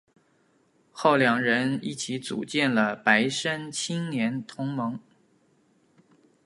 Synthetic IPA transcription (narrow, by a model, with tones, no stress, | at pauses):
xo˥˩ʊljɑ˨˩ŋɻə˧˥ni˥˩t͡ɕʰi˧˥t͡sṵ˨˩t͡ɕjɛ˥˩nlə˩pa˧˥ɪʂə˥nt͡ɕʰi˥ŋnjɛ˧˥nt̪ʰʊ˧˥ŋmɤ˧˥ŋ